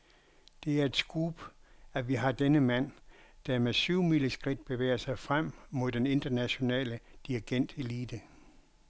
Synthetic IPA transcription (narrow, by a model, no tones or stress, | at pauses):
d̥e̝æɐe̝d̥sɡ̥ʁuːb̥æʋiɦɑ̈d̥enəmæn̰d̥æmesyʊ̰miləsɡ̥ʁid̥̚b̥e̝ʋḛːɐsɑ̈ɪfʁam̰mo̝ðˠd̥ene̝nd̥ɐnæɕo̝nɛ̰ːləd̥iɐɡ̥en̰d̥e̝liːd̥ə